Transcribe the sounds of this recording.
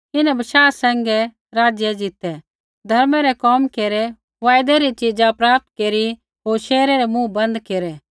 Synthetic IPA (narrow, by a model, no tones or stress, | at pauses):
ɪnɛ̃bɐʃaːsɛ̃ːŋɡɛ | ɾaːd͡ʒjɛd͡ʒɪt̪ɛ | d̪ʱɐɾmɛɾɛkɔːmkeːɾɛ | ʋaːjd̪ɛɾit͡ʃɪd͡ʒapɾaːp̚t̪keːɾi | ɦoːɾʃɛːɾɛɾɛmũbɐ̃nd̪keːɾɛ